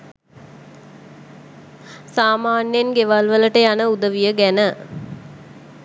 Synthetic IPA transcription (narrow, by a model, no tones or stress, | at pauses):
saːmaːnjenɡeʋalʋələʈəjanəud̪əʋijəɡænə